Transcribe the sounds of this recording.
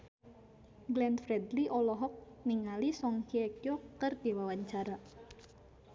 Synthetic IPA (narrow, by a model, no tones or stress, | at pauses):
ɡlɛnt̪fɾɛd̪liʔɔlɔɦɔk̚niŋalisɔŋhiɛkjɔkərdiwawaɲt͡ʃaɾa